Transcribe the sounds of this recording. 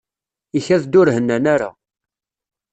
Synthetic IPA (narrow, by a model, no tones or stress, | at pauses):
içæðd̪ʊɾhənːænaɾa̰